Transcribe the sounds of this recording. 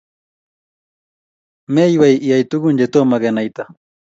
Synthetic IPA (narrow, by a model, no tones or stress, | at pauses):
mejwajɪjajt̪ʊkʊnʎet̪omaɢenajt̪a